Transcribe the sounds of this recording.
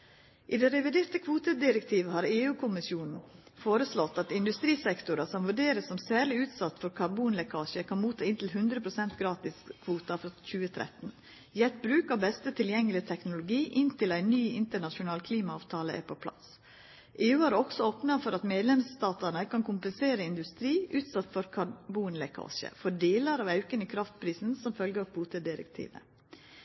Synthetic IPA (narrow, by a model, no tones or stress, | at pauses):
ʔɪd̪ɛɾɛʋɪd̪eːɾt̪əkʰʋuːt̪əd̪ɪɾəkt̪ʰiːʋəhɑːɾeːʉːkʰʊmɪsjuːnn̩foːɾəslɔt̪ːɑt̪ɪnd̪ʉst̪ɾiːsɛkt̪ʊɾəsɔmʋʉɖeːɾəsɔmsæːɾɭɪʉːt̪sɑt̪ːfɔɾkʰɑɾbuːnlɛkʰɑːʃəkʰɑnmuːt̪ʰɑːɪnt̪ʰɪlɦʉnd̪ɾəpʰɾʊsɛnt̪ɡɾɑːt̪ɪskʰʋuːt̪ɑfɾɔc͡çʉːət̪ʰɾɛ̰t̪n̩ | jɛt̪bɾʉːkəbɛst̪ət̪ʰɪljɛŋːəlɪt̪ʰɛknʊlʊɡiːʔɪnt̪ʰɪlæɪnyːɪnt̪əɳɑʃʊnɑːlkʰliːmɑɑːʋt̪ʰɑːləʔæ̰ɾpʰopʰlɑ̰s | ʔeːʉːæːɾɔksɔoːpnɑfɔɾɑt̪meːd̪lɛmst̪ɑːt̪əɳəkʰɑnkʰʊmpənseːɾəɪnd̪ʉst̪ɾiːʔʉːt̪sɑt̪ːfɔɾkʰɑbuːnlɛkʰɑ̰ːʃə̰fɔɖeːləɾɑːʋɑʉkənəkʰɾɑft̪pʰɾiːsn̩sɔmfœlɡəkʰbuːt̪əd̪ɪɾə̰kt̪ʰḭːʋə̰